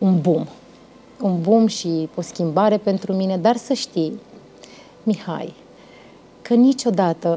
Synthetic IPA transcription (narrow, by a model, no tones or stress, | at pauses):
unbum | unbumʃio̞skʲimbaɾe̞pe̞nt̪ɾumine̞d̪arsəʃt̪ij | miha̰j | kənit͡ʃo̞d̪at̪ə